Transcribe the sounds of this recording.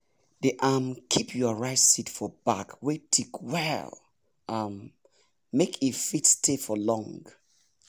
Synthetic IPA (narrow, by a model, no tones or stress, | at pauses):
deʔamkʰipʰjɔɹaɪtsitfɔba̰kwetʰikwɛlˠ | amː | ekʰifitstʰefɔlɔ̃ŋɡ